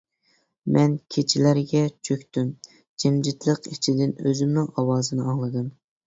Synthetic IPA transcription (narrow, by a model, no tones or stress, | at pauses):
mʔɛnkʲʰet͡ʃʰilæɾɡʲɛt͡ʃʰøkʲt̪ym | d͡ʒɛmd͡ʒit̪lˠəqit͡ʃʰid̪ɪnøzymnuŋʔɑwɑːzɨnɨɑŋlˠɨd̪ɨm